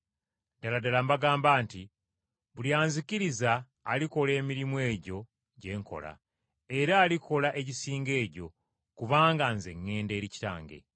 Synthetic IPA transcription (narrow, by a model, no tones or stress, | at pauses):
daladalambaɡaːmbaːnti | βuliaːnzikiɾizaː | liko̞le̞ːmiɾimwe̞ːɟo̞ | ɟe̞ːŋko̞̰la̰ | e̞ɾaːlikʰo̞laʔe̞ɟisiːŋɡe̞ːɟo̞ | kuβaːŋɡanze̞ŋːe̞ːnde̞ːɾici̥ta̰ːŋɡe̞̰